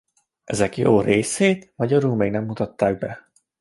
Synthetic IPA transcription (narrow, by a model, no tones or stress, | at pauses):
ʔɛzɛkjoːreːseːt̪mɒɟɒɾuːkmeːɡnɛmːut̪ɒt̪ːaːɡ̚bɛ